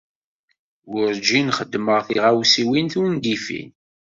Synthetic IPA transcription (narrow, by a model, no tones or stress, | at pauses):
wʊɾd͡ʒinχəd̪ːməʁθiʁawsiwinθund̪ifḭn